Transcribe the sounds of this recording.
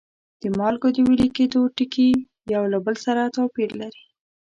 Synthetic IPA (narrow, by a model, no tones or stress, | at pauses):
d̪̥əmɑlɡod̪əwiliked̪oʈiki | jawlabəlsaɾat̪ɑpiɾlaɾi̥